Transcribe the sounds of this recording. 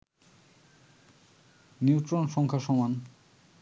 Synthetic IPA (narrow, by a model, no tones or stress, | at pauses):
niwt̪ɾonʃɔŋkʰaʃɔman